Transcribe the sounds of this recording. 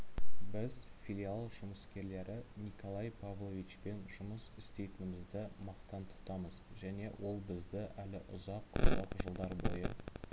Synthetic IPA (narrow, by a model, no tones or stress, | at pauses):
bɪzfʲilʲialˠʒʊməskʲe̞ɾle̞ɾʔɪnikʰo̞lˠɑjpʰavlˠovʲit͡ʃpe̞nʒʊməsɪst̪e̞jt̪ɪnɪmɪzd̪ɪmɑqt̪ɑnt̪ʰʊ̥t̪ɑməzʒæne̞wʔo̞lˠbɪzd̪ɪʔælɪʔʊzɑqʊ̰zɑqʒəlˠd̪ɑɾbo̞̰jə